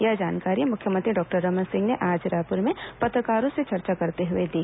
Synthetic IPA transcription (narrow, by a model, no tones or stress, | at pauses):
jɐd͡ʒaːnkaːɾimʊkʰjəmə̃nt̪ɾiɖɔːk̚ʈəɾːɔːmənsɪ̃ŋɡneʔaːd͡ʒɾaːpʊɾmẽpɐt̪ɾəkaːɾõset͡ʃɐɾt͡ʃakɐɾt̪eɦʊed̪iː